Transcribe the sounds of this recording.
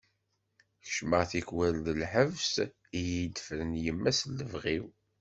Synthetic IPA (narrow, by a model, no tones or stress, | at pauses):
çʃməʁθikwælðəlħəvs | ijid̪fɾənjəmːæslːəvʁiw